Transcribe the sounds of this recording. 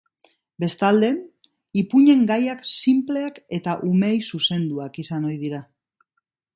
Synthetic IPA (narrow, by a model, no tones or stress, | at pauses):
be̞st̪ald̪e̞ | ipuɲe̞ŋɡajaksimple̞ake̞t̪aʔume̞jsuse̞nd̪uakisano̞jðiɾa